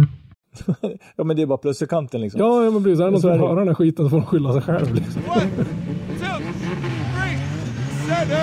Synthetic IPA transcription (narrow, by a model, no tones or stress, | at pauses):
jɑːmɛnd̪ɛːɾbɑːɾapʰlɵsəkʰant̪ənlɪksɔjɑːjɑːmɛnpʰɾɛsiːs̬d̪æɾɛnɔsɔɔvɑːɾaɾɛnæːɧiːt̪ənsɔfoːɾmanɧʏlːasɛjɧɛ̰lvlɪksɔm